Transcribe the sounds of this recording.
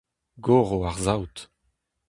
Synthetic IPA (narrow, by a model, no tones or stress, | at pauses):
ɡoʁoaʁzawt̪